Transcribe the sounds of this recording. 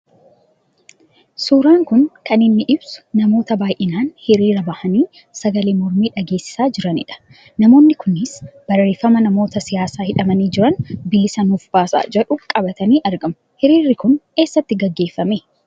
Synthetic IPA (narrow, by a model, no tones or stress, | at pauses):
suːɾaːŋkʊnkɐnɪnːɪʔɪbsʊ̥nɐmo̞ːt̪ɐbaːjʔɪnaːnhɪɾiːɾɐbɐhɐniː | sɐɡɐleːmɔɾmiːᶑɐɡe̞ːsːɪ̥saːd͡ʒɪɾɐnɪ̰ᶑɐ̥ | nɐmo̞ːnːɪkʊnːɪsb̥ɐrːe̞ːfɐmɐnɐmo̞ːt̪ɐsɪjaːsaːhɪᶑɐmɐniːd͡ʒɪɾɐnbeːsɐnuːfb̥aːsa̰ːd͡ʒɛᶑʊkʼɐbɐt̪ɐniːʔɐɾɡɐm | hɪɾiːɾːɪkʊne̞ːsːɐt̪ːɪɡɐɡːe̞ːfːɐmeː